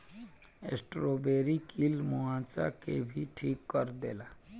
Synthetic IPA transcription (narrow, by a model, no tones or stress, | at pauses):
esʈɾoːbeːɾikilmʊãːsa̰kebʱiʈʰiːkːəɾd̪eːlaː